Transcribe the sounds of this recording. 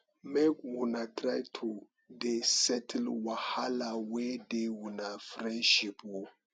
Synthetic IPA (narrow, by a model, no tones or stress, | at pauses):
mekwunatɾajtʰu | desɛtlwahalawedewunafɾɛ̃nʃipwo